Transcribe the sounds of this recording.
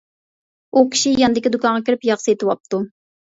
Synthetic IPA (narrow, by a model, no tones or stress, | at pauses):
ukʲʰi̥ʃijɑnd̪ɪkʲid̪ukɑŋʁɑkʲʰiɾɪpjɑχsɨet̪ɨwɑp̚t̪ʰu